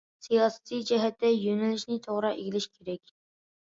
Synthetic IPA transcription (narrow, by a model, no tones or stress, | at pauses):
sijɑsɛ̥t̪id͡ʒɛɦɛt̪ːɛjønælɪʃnɪt̪ʰoʁɾɑʔeɡʲilɪʃkʲʰeɾɛkʲ